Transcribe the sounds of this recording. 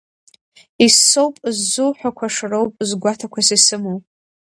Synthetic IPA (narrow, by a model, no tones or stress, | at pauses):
isːowpʼzːuwħʷᶣakʷʰaʂɨrowpʼzɡʷatʰakʷʰasisɨmowpʼ